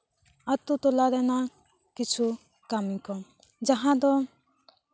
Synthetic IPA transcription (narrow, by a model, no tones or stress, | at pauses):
at̪ut̪ɔlad̪ɛna | kit͡ʃʰu | kamikɔ | d͡ʒaɦãd̪ɔ